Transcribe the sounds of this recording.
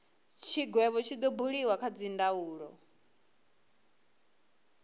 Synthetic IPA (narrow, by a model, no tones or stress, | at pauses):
t͡ʃʰiɡwɛβɔt͡ʃʰid̪ɔbuɺiwakʰad͡zindauːɺɔ